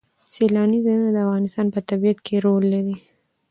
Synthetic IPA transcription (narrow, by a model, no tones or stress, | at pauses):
selɑnizanunad̪əafɣɑnɪst̪ɑnpət̪abijat̪kʰeɾolːaɾi